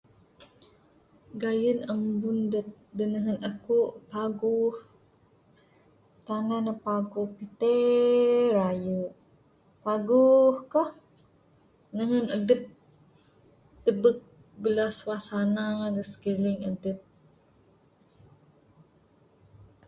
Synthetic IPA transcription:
ɡajənəmbundət̪̚dənəɦənakuʔpaɡuh | t̪ananapaɡuhpit̪e | ɾajəʔ | paɡuhkɔh | nəɦənədəp̚ | t̪əbək̚ | bəlaswasanaŋdəskəliŋədəp̚

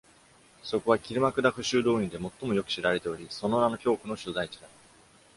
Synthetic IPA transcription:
so̞ko̞βakʲiɾɯ̟makɯ̟d̪akɯ̟ɕɨːd̪o̞ːĩnd̪e̞mo̞t̪ːo̞mo̞jo̞kɯ̟ɕiɾaɾe̞t̪e̞o̞ɾʲiso̞no̞nano̞kʲo̞ːkɯ̟no̞ɕɨzait͡ɕʲi̥d̪a

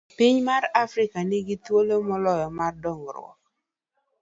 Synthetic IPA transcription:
pɪɲmaɾafɾɪkanɪɡɪt̪wolomɔlɔjɔmardɔŋɡɾɔ̰

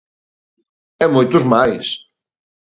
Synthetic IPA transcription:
ɛmojt̪ʊzmajs

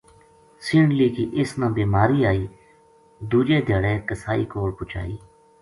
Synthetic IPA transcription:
sɪɳɖliːkiːʔɪsnãːbiːmaːɾiːaːiː | d̪uːd͡ʒeːd̪eːɽeːkəsaːḭːkoːlpʊt͡ʃʰa̰ːḭː

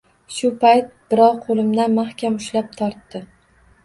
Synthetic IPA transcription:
ʃʊpʰajt̪̚b̥ɪɾɒwqʰolˠɪmd̪anmahkʲamʊʃlap̚t̪ʰɒɾt̪ːɪ

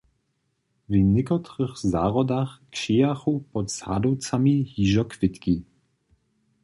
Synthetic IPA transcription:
vinɪkɔt̪ʁɨxza̰ːʁɔdaxkʃijaxupɔt̪sa̰ːd̪owt͡samihiʒɔkvɪt̪ki

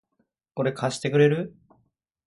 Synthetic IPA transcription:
ko̞ɾe̞kʰaɕi̥t̪e̞kɯ̟ɾe̞ɾɯ̟

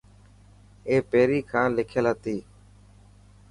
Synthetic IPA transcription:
eːpeːɾiːkʰãːlɪkʰəlɦət̪iː

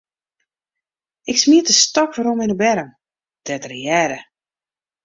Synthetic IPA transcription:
ɪksmiətəstɔkʋaɾomɪnəbɛɾəm | d̥ɛtərjɛːdə

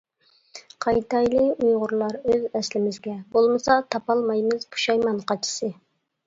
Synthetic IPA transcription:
qʰɑjt̪ɑjlˠɨujʁʊɾlˠɑɾøzɛslɪmɪzɡʲɛbolˠmɨsɑt̪ʰɑpɑlˠmɑjmɨzpʰu̥ʃɑjmɑnqɑt͡ʃʰɪ̥sɨ

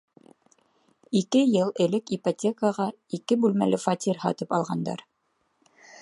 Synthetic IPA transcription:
ikɘjɤlˠɘ̆lɘkipɐtʲekaʁɑ | ikɘbʉlmælɘfɐt̪ʲirhɑ̰t̪ɤpɑlˠʁɑnd̪ɑ̰ɾ

